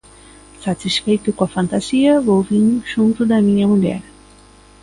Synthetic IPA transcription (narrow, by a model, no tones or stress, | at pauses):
sat̪isfejt̪ʊkõɐfɐ̃nt̪az̥iɐvowvĩnʒ̥ũnt̪ʊd̪ɐmĩɲɐmuʎɛ̰ɾ